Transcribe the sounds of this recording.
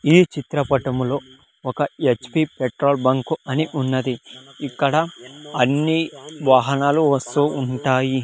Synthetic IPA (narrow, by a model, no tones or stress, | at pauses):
iːt͡ʃit̪ɾɐpɐʈɐmlo̞ː | ɔkɐet͡ʃpipeʈɾoːlbɐŋkuɐniʔunːɐd̪iikːɐɽɐɐnːiʋaːɦɐnaːluʋɐst̪uːɳʈaːji